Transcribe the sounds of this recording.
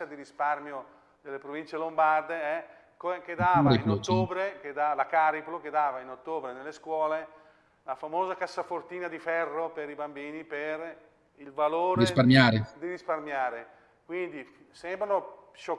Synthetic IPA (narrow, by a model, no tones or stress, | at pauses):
ad̪iɾisparmjo | d̪elːepɾovint͡ʃelombard̪eɛ | koked̪aːvaɾeiplot̪ːoːbɾeked̪alakaːɾiploked̪aːvainot̪ːoːbɾenelːeskwɔːle | lafamoːzakasːafort̪iːnad̪ifɛrːopeɾibambiːniper | ilvaloːɾeɾisparmjaːɾed̪iɾisparmjaːɾe | kwind̪i | sɛmbɾanoʃo